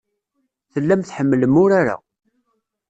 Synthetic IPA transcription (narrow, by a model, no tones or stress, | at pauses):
θəlːæmθħəmːələmʊɾaɾa̰